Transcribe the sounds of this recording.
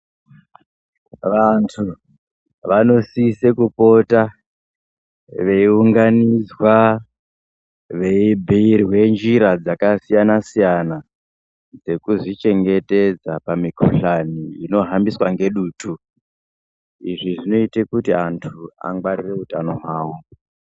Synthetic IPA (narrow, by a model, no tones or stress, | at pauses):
ʋantʰu | ʋano̞siːse̞kupo̞ta | ʋe̞iuŋɡanizwa | ʋe̞ibʱiirwe̞nd͡ʒiɾad͡zakasijanasijana | d͡ze̞kuzit͡ʃe̞ŋɡe̞te̞d͡zapamikoɬaniino̞ɦambiswaŋɡe̞ɗuːtu | iʐiʐino̞itekutiantʰua̰ŋɡwarire̞utano̞ɦwaːwo̞